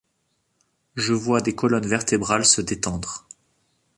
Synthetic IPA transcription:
ʒəvwad̪ekɔlɔnvɛʁt̪ebʁalsəd̪et̪ɑ̃d̪ʁ

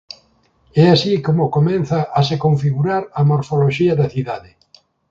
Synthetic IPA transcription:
ɛasikomokomɛ̃nθɐʔːsekoɱfiɣuɾaɾamoɾfoloʃiɐðɐθiðaðɪ

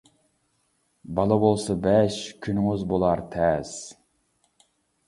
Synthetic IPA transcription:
bɑlˠɑbolˠsɑbɛʃkʲʰynɪŋyzbolˠɑɾt̪ʰɛz̥

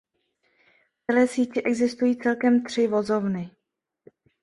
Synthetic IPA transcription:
ft͡sɛlɛːsiːcɪʔɛɡzɪst̪ujiːt͡sɛlkɛmt̪r̝̥ɪvo̞zo̞vnɪ

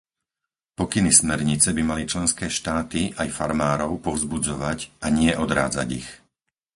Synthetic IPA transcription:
pɔkinismɛɾɲit͡sɛbimalit͡ʃlɛnskɛːʃt̪aːt̪iʔajfaɾmaːɾɔʊpɔʊzbud͡zɔʋacʔaɲɪɛʔɔd̪ɾa̰ːd͡za̰ɟḭx

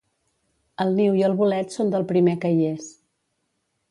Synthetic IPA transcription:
əlˠniwiəlˠβulɛt̪sond̪əlˠpɾimekəjes

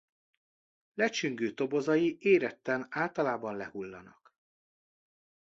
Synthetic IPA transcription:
lɛt͡ʃyŋɡøːt̪o̞bo̞zɒjiʔeːɾɛt̪ːɛnaːlt̪ɒlaːbɒnlɛhulːɒ̰nɒk

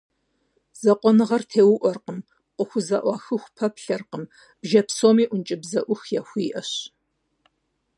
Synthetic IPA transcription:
z̥ɐqʷɔnɨʁɐrtʰeːwʊʔʷɔrqəm | qʷʊxʷʊzɐ̰ʔʷɑːxɨxʷpʰɐpɬɐrqəm | b̥ʒɐpsoːmiːʔʷʊnt͡ʃʼɪbzɐʔʷʊxjɛxʷiːʔɐɕ

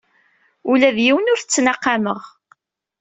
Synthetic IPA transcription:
ulæðjiwənʊɾθət͡sːnɑqːɑməʁ

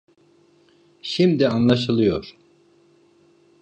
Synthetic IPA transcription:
ʃimd̪ianlˠaʃ̬ɯlˠɯjo̞ɾ̥

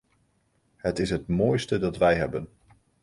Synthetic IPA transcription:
ɦətɪsɦətmoːjstədɑtʋɛjɦɛbən

